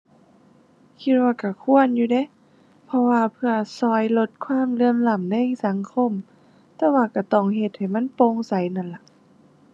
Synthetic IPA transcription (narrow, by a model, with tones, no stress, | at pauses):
kʰi˧t̪̚waː˧ka˧˩kʰu˧˥˨ənjuː˧dɛ˧˩˨ | pʰɔ˧waː˧pʰɯ˧ɐsɔː˧˩jlo˧t̪̚kʰwaː˧˥˨mlɯ˧˨əmla˧˩˨mna˧˥˨jsa˨˦ŋkʰo˧˥˨m | t̪ɛː˧waː˧ka˧˩t̪ɔː˧˩ŋɦe˧˩t̪̚ha˨˩jma˧˥˨npoː˧ŋsa˨˦jna˧˩nla˧˦ʔ